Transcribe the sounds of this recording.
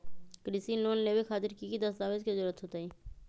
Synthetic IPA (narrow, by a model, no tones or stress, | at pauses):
kɾisinoːnːebekʰaːt̪ɪɾkikid̪əsd̪aːʋiːskezʊɾət̪ɦoːt̪aiː